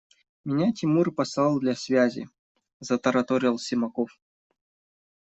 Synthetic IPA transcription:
mʲɪnʲatʲimurpɐslˠalˠd̪lʲasʲvʲazʲɪ̰ | zɐt̪ɐɾɐt̪oɾʲɪlˠsʲɪmɐkof

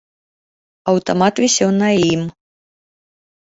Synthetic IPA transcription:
ɐwt̪ɔmat̪vʲisʲɛwnɐim

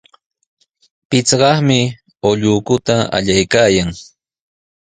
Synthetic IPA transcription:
pɪt͡sɢɑχmɪ | oʎʊːkʊt̪aa̰ʎajkaːjaŋ

